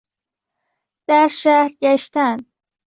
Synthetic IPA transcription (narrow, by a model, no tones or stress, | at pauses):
d̪̥æɾʃæhɾɟæʃt̪æn